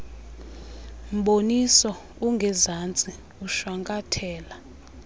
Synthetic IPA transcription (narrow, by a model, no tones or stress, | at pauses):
m̩ɓonisɔ | uŋɡʱɛzant͡sʼi | uʃwaŋkʼatʰɛːla